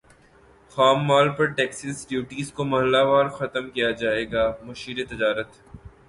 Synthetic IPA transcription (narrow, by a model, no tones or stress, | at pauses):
xaːmːaːlpɐɾʈɛːksəsɖjuːʈiːzkomɐɦəlːaʋaːɾxɐt̪əmkijad͡ʒaːeːɡaːmʊʃiːɾet̪ɪd͡ʒaːɾət̪